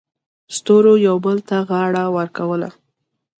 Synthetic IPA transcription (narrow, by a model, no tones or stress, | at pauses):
st̪oɾojawbəlt̪aɣɑɽawəɾkawəla̰